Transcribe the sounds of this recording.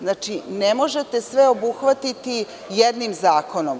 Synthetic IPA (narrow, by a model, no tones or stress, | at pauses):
znat͡ʃinemo̞ʒe̞t̪e̞sʋeo̞buxʋat̪it̪i | jed̪nimzaːko̞nom